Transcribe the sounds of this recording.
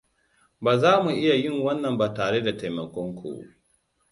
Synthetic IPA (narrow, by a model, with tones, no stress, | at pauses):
baː˨zaː˦mu˨ʔɪ˦ja˨jɪ˦˨ŋwɐ˦nːɐ˨mbaː˨taː˨ɽe˦da˨ta˨jmɐ˨kʷɔ˦ŋkʷʰṵ˦˨